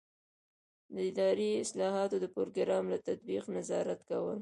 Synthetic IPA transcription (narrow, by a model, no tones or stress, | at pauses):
d̪əɪd̪ɑɾiɪslɑɦɑt̪od̪əpoɾoɡɪɾɑmlat̪at̪̚biqnazɑɾat̪kawəl